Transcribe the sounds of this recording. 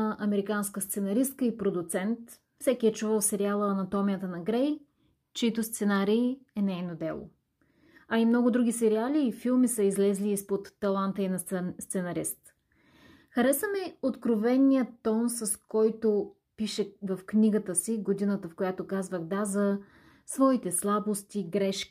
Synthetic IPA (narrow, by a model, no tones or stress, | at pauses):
ʔɐmɛɾikanskəst̪sɛnɐɾist̪̚kəipɾod̪ʊt̪sɛnt̪ | fsɛkʲiɛt͡ʃuvəlˠfsɛɾialˠənɐt̪ɔmiət̪ənɐɡɾɛj | t͡ʃɛit̪ost̪sɛnaɾiːɛnɛjnod̪ɛlˠo̰ | ɐimnɔɡʊd̪ɾuɡʲisɛɾialiːfilˠmisəizlɛzliːspot̪ːɐlˠant̪əinɐst̪sɛnɐɾist̪ | xɐɾɛsəmɛot̪kɾovɛnʲijət̪ɔnsɐskɔjt̪o | piʃɛvəfknʲiɡət̪əsiɡod̪inət̪əfkojat̪okazvəɣd̪azə | svɔit̪ɛslˠabost̪iɡɾɛʃkʲ